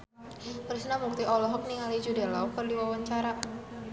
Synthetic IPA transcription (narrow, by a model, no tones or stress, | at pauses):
haɾusnamuk̚t̪iʔɔlɔɦɔk̚niŋalid͡ʒudɛlaɔkərdiwawaɲt͡ʃaɾa